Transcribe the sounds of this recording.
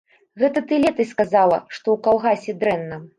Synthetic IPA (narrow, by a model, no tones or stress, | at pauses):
ɣɛt̪ɐt̪ɨlʲɛt̪ɨskazalˠɐ̰ʂt̪ɔwkalˠɣasʲɛd̪ɾɛnːɐ